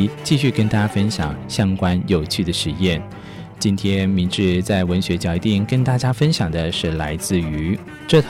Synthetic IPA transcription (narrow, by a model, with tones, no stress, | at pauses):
t͡ɕi˥˧ɕy˥˩kə˥nt̪ʰa˥fə˥nɕjɑ̰˨˩˦ŋɕjɑ˥ŋkwa˥njo˨˩ʊt͡ɕʰy˥˩d̪ə˩ʂɻ̩˧˥jɛ˥˩n | t͡ɕi˥nt̪ʰjɛ˥nmi˧˥nʈ͡ʂɻ̩˥˧t͡sa˥˩ɪwə˧˥nɕɥɛ˧˥t͡ɕjɑ˧˩ʊi˧t̪i˥˩ŋkə˥nt̪a˥˩t͡ɕja˥fə˥nɕjɑ˨˩ŋd̪ə˦ʂɻ̩˥˩la˧˥ɪt͡sɹ̩˥˩y˧˥ | ʈ͡ʂɤ˥˩t̪ʰ